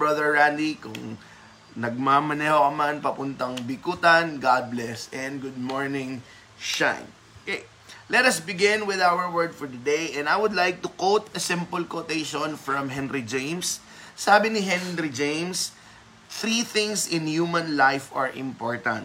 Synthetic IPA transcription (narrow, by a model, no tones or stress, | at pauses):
bɹɐðəɹːand̪ikʊ̰ŋ | nɐɡ̚mamɐnɛhokɐmanpɐpʊnt̪ɐŋbɪkut̪ɐnɡad̪̚blɛsɛ̃nd̪ɡʊd̪̚moɹnɪ̃ŋ | ʃã̰jn | oke | lɛt̪ɐsbɪɡɪ̃nwɪðawəɹwɛɹd̪fɔɹd̪ɐd̪ejʔɛ̃najwʊd̪lajk̚t̪ʊkowt̪ɐsɪ̃mpʊlkot̪eʃõnfɹɐ̃mɦɛnɾid͡ʒẽjmsː | aːbɪnɪɦɛnɾid͡ʒẽjms | θɾiθɪ̃ŋsɪ̃nhjumɐ̃nlajfɐɹʔɪ̰̃mpoɹt̪ɐ̰̃nt̪̚